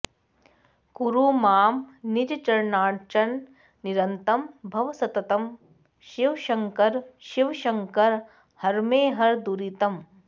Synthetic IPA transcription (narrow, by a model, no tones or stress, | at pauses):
kuɾuːmaːmnid͡ʒt͡ʃɐɾnaːʈt͡ʃɐnː | iɾɐnt̪ɐmbʱɐʋɐsɐt̪ɐt̪ɐm | ʃiʋʃɐŋkɐɾʃiʋʃɐŋkɐɾ | hɐɾmeːɦɐɾd̪uɾit̪ɐm